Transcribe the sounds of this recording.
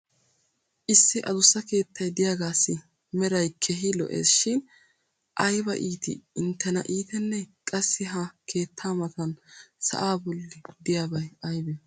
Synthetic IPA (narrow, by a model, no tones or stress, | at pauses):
ʔɪsːɪʔɐd̪ʊsːɐke̞ːt̪ʰːɐjd̪ɪjaːɡaːsːɪ | mɛɾɐjkʰɛɦɪlɔ̰ʔḛːsʃɪn | ʔɐjbɐʔiːt̪ɪ̰ɪnt̪ːɛnɐ̰ʔiːt̪ɛnːɛkʼɐsːɪɦɐkʰe̞ːt̪ʰːaːmɐt̪ɐnsɐ̰ʔaːbɔlːɪd̪ɪjaːbɐjɐjbɛ